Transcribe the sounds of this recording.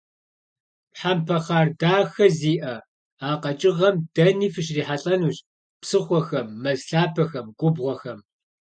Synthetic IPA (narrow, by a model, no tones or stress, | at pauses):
pħampʰɐχaːrdaːxɐziːʔɐ | aːqʼɐt͡ʃʼɪʁɐmd̥ɐniːfɨʃriːħaɬʼɐnuːɕʼ | psɨχʷɔxɐmːɐzɬaːpʰɐxɐmɡʷʼʊbʁʷɔxɐm